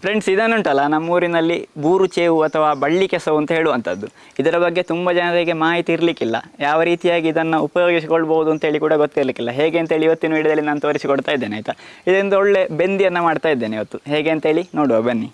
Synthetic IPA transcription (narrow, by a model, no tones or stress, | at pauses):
pɾe̞ɳɖsid̪ɐnːuɳʈɐlːɐnɐmːuːɾinɐlːibuːɾut͡ʃeːʋuɐt̪ʰɐʋaːbɐɭːikɛsɐʋuɐnt̪ɐɦe̞ːɭuɐnt̪ʰɐd̪ːu | id̪ɐɾɐbɐɡːe̞t̪umbɐd͡ʒɐnɐɾeːɡe̞maːɦit̪iːɾlikilːɐ̰jaːʋɐɾiːt̪ijaːɡiːd̪ɐnːɐupɐjo̞ːɡis̬ikoɭːɐbɐɦud̪uɐnt̪ɐɦe̞ːɭikuːɽɐɡot̪ːiɾlikilːɐɦeːɡe̞ːnt̪ɐɦeːɭiʋɐt̪ːinuiɽɐd̪ɐlːinaːnut̪oːɾisikɔɽt̪aːjid̪ːeːnɐjt̪ɐid̪ɐɾind̪ɐɔɭːe̞be̞nd̪ijɐnːɐmaːɖt̪aːjid̪ːe̞ːneiʋɐt̪ːuɦeːɡe̞ːnt̪ɦe̞ːɭinoːɽuʋɐbɐnːi